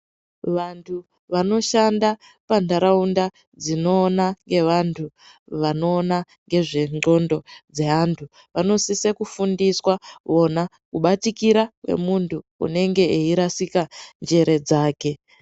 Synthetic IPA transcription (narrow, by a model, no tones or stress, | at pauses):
ʋantʰu | ʋano̞ʃanda | pandaɾaunda | d͡zino̞ːnaŋɡe̞ʋantʰu | ʋano̞ːna | ŋɡe̞ʐe̞ŋ͡ǃo̞ndo̞d͡ze̞ɦantʰu | ʋano̞sise̞kufundiswao̞na | kuɓatikiɾakwe̞̰muntṵːne̞ŋɡe̞eiɾasikand͡ʒe̞ɾe̞d͡zaːke̞